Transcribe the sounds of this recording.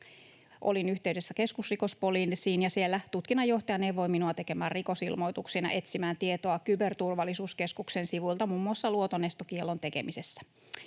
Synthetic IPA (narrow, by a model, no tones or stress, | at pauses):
ʔo̞̰linyht̪e̞yde̞sːæke̞skusriko̞spo̞liːnsiːnjɑsielːæt̪ut̪kinːɑjːo̞ht̪ɑjɑneʋo̞jminuɑt̪e̞ke̞mæːrriko̞silmo̞jt̪uksinɑ̰ʔe̞t̪simæːnt̪ie̞t̪o̞ɑkybe̞rt̪urʋɑlːisuːske̞skukse̞nsiʋujlt̪ɑmuːmːuɑsːɑluot̪o̞ne̞st̪ok̟ielːo̞nt̪e̞ke̞̰mise̞sːæ̥